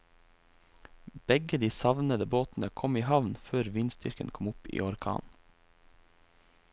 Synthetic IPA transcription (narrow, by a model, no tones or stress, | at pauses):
b̥ɛɡəd̪iːsɑʋnəd̪əboːt̪n̩əkʰɔmiːhɑʋnføːɾʋiːnst̪ʏɾkə̰nkʰɔmʊpḭːɔɾkʰɑ̰ːn